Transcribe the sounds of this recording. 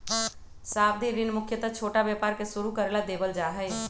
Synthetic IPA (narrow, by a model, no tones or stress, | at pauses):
saːb̚d̪ʱiɾɪnmʊkʰjət̪ət͡ʃʰoːʈabjepaːɾkesuɾukəɾelad̪eːbəld͡ʒaːɦɛɪ